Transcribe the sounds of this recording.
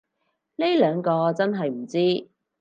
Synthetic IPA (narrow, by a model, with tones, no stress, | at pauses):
ne˥jlœː˨˧ŋkɔː˧t͡sɐ˥nɦɐ˨jm̩˨˩t͡siː˥